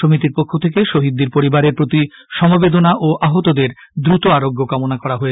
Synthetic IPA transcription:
omit̪iɾpokʰːot̪ʰekeʃoɦid̪ːiɾpoɾibaɾeɾpɾot̪iʃɔmobed̪onaʔoʔaɦot̪od̪eɾd̪ɾut̪oaɾoɡːokamonakɔɾaɦoe

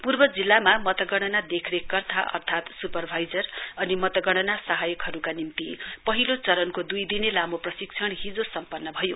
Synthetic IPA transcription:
purbʌd͡zilːamamʌt̪ʌɡʌɽ̃ʌnad̪ekʰrekːʌrt̪ʰaʔʌ̰rt̪ʰat̪supʌrbʱajd͡zʌrʌnimʌt̪ʌɡʌɽ̃ʌnasʌɦajʌkɦʌɾukanimt̪ipʌɦilot͡sʌɾʌnkod̪ujd̪inelamoprʌsiksʰʌɽ̃ɦid͡zosʌmpʌnːʌbʱʌjo

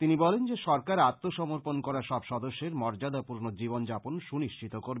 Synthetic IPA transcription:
t̪inibɔlend͡ʑeʃɔɾkaɾat̪ːoʃɔmoɾponkɔɾaʃɔbʃɔd̪oʃːeɾmɔɾd͡ʑad̪apuɾnod͡ʑibond͡ʑaponʃuniʃt͡ɕit̪okoɾ

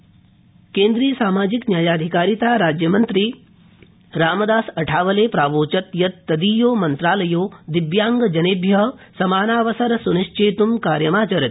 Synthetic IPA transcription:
kẽːnd̪ɾiːjsaːmaːd͡ʒiknjaːjaːd̪ʱikaːɾit̪aːɾaːd͡ʒjɐmɐnt̪ɾiː | ɾaːmɐd̪aːsɐʈʰaːʋɐleːpɾaːʋoːt͡ʃɐt̪jɐt̪ːɐd̪iːjoːmɐnt̪ɾaːlɐjoːd̪iʋjaːŋɡɐd͡ʒɐnebʱjɐɦsɐmaːnaːʋɐsɐɾɐsuniʃt͡ʃeːt̪umkaːɾjɐmaːt͡ʃɐɾɐ

